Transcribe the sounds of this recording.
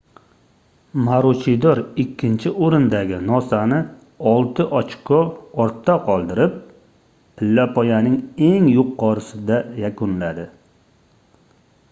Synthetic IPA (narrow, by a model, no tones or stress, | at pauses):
maɾʊt͡ʃʰid̪ɒɾɪkʲʰːɪnt͡ʃʰɪoɾɪnd̪aɡʲɪnɒsanɪ | ɒlˠt̪ʰɪʔɒt͡ʃkʰɔɒɾt̪ʰːaqʰɒlˠd̪ɪɾɪp̚ːʰ | ɪlːapʰɒjanɪŋe̞ŋjʊqʰːɒɾɪsɪd̪ajakʰʊnlad̪ɪ